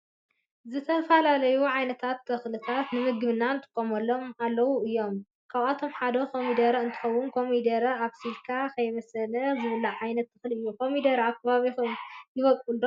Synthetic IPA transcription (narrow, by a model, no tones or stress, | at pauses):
zɨt̪ʰɐfɐlalɐjuʕajnɐt̪ʰat̪ːʰɐxlɨt̪ʰat̪nɨmɨɡɨβɨnːant̪ʰɨ̥kʼːomɐlːo̞malːɐwuɨjːo̞m | kʰaβat̪ʰo̞mħad̪ɐkʰomid̪ɐɾɐɨnt̪ʰɨ̥xɐwːʊnkʰo̞mid̪ɐɾɐaβsilkʰakʰɐjβɐsɐlɐzɨβɐlɐʕajnɐt̪ːɨxlɨjːukʰomid̪ɐɾaβkʰɐβaβixjɪβɐkʼulo